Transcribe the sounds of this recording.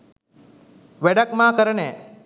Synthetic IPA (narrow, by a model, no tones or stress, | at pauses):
ʋɛɖɐkmaːkəɾənɛː